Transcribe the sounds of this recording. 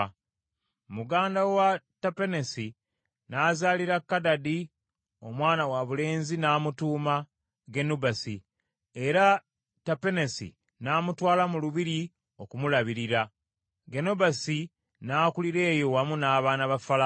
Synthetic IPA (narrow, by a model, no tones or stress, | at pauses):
muɡaːndawatape̞nesi | naːzaːliɾakːadadi | omwaːnawaβule̞ːnzinaːmutuːma | ɡe̞nubasi | e̞ɾa | tape̞nesḭ | naːmutwaːlamuluβiɾi | o̞kumulaβiɾiɾa | ɡe̞nobasi | naːkuliɾe̞ːjo̞wamunaːβaːnaβafala